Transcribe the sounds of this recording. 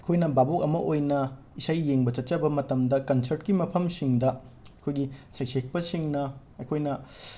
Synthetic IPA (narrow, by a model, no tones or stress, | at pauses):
ɐjkʰojnɐbabok̚ɐmɐʔojnɐ | isajːeŋbɐt͡ʃɐt̚t͡ʃɐbɐmɐtɐmdɐkɐnsɐɾtkimɐpʰɐmsiŋdɐ | ɐkʰojɡisajsek̚pɐsiŋnɐ | ɐjkʰojnɐ